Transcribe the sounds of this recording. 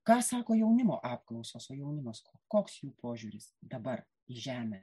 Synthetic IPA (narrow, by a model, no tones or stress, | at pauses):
kɑːsɑːkoːjɛʊnʲɪmo̰ːʔɑːpklˠɒʊsoːsoːjɛʊnʲɪmoːskoːkoːksjuːpʰoːʒʲuːɾʲɪsd̪ɐbɐr | iʒʲæːmʲɛ